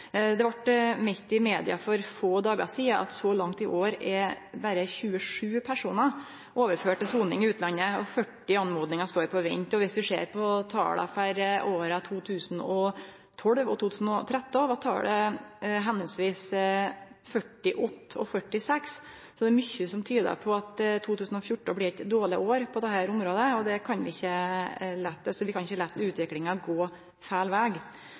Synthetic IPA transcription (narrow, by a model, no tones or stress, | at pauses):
d̪ɛʋɑʈmɛçt̪ɪmeːd̪ɪɑfɔɾfoːd̪ɑːɡə̰siːəʔɑ̰t̪sɔlɑŋt̪ɪʔoːɾɛ | bæɾəçʉːəʂʉːpʰæʂuːnə | ʔoːʋəɾføːʈəsuːnɪŋɪʉːt̪lɑnːəɔfœʈːɪɑnmoːd̪nɪŋɑst̪oːɾpʰɔʋɪ̰ɲt̪ɔʋɪsʋɪʂḛːɾpʰɔt̪ʰɑ̰ːɽɑ̰fæɾʔoːɾɑt̪ʰuːt̪ʰʉːsən̩ɔ | t̪ʰɔlʋɔt̪uːt̪ʉːsn̩ɔt̪ʰɾɛt̪ːəʋɑt̪ʰɑ̰ːɖɛɦɛnːəlsʋiːs | fœʈːɪʔɔt̪ːɔ̰fœʈːɪsɛks | sɔd̪ɛːɾmʏçːəsɔmt̪ʰyːd̪ə̰pʰɔɑt̪t̪ʰːuːt̪ʉːsn̩ɔfjʊʈːəblɪɛt̪d̪oːɭɪʔoːɾpʰɔd̪ɛɦæːɾʊmɾoːd̪əɔd̪ɛkʰɑnʋɪɪçːəlɛt̪ːsɔʋɪkʰɑnɪçəlɛt̪ːʉːt̪ʋɪklɪŋɑɡoː | fæːlʋæːɡ